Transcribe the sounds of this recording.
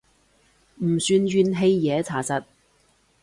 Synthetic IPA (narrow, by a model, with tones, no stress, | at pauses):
m̩˨˩syː˧nɥyː˧nɦe˧jːɛː˨˧˦t͡sʰaː˨˩sɐ˨t̚